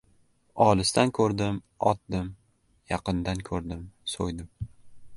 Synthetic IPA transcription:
ɒlˠɪst̪ankʰɵɾd̪ɪm | ɒt̪̚d̪ɪm | jɑqɨnd̪ankʰɵɾd̪ɪmsojd̪ɪm

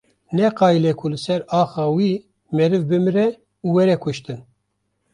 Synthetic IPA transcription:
nɛqɑːilɛkʰulɨsɛɾɑːxɑːwi | mɛɾɨvbɨmɨɾɛ | uwɛɾɛkʰʊʃt̪ɨn

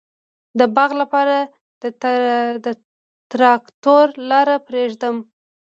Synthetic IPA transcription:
d̪əbaɣlapɑɾa | d̪əd̪ə | t̪ɾɑkt̪oɾlɑɾapɾeʒd̪əm

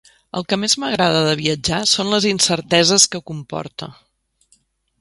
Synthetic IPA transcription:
ə̰lˠkəmezməɣ̞ɾaðəðəβ̞iəd͡ʒasonləzinsəɾt̪ɛzəskəkumpɔ̰ɾt̪ə̰

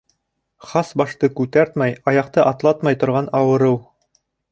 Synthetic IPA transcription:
χɑsbɑʃt̪ɤkʉt̪æɾt̪mæjɑjɑq̚t̪ɤʔɑt̪lˠɑt̪mɑjt̪ŏɾʁɑnɑwɤ̆ɾɤw

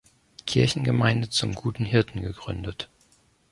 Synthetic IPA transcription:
kʰɪɐçn̩ɡəmaɪndət͡sʊmɡuːtn̩ɦɪɐtn̩ɡəɡʁʏ̰ndət

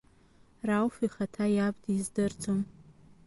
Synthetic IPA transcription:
rawfiχatʰajab̚dizdɨrd͡zʼom

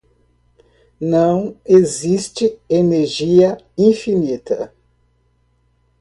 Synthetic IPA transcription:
nɐ̃w̃ezist͡ʃɪeneɾʒiɐ | ĩfinit̪ɐ

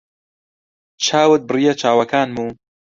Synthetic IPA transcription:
t͡ʃʰaːwɨt̪̚bɨrijɐt͡ʃʰaːwɐkaːnmuː

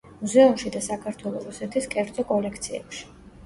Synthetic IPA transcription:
muzɛumʃid̪asakʰaɾt̪ʰwɛlˠɔɾusɛt̪ʰiskʼɛɾd̪zʼɔkʼɔlɛkʰt̪sʰiɛ̰pʃi̥

